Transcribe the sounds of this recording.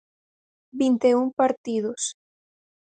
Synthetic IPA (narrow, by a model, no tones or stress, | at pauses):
bint̪eumpaɾt̪iðos